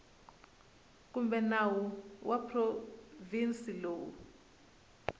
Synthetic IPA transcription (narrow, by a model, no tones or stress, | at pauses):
k̬umbɛnawuwʔapʰrovinsiloːwṵ